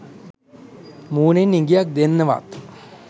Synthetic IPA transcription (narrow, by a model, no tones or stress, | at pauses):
muːnenːiŋɡijak̚d̪enːəʋa̰t̪